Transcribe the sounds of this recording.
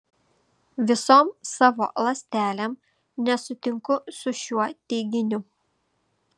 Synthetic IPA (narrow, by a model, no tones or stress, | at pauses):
ʋʲɪsoːmsɑːʋo̰ːlˠɐsʲt̪ʲæːlʲem | nʲɛsʊt̪ʲɪŋkʊsʊʃʲuɔt̪ʲɛɪɡʲɪnʲʊ